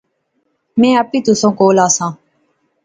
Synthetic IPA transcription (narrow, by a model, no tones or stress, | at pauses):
mɛ̃ːəpiːt̪ʊsõːkoːlaːsãː